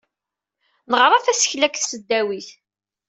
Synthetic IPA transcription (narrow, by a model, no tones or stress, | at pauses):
nəʁɾˤɑθæsə̥çlækθsəd̪ːæwiθ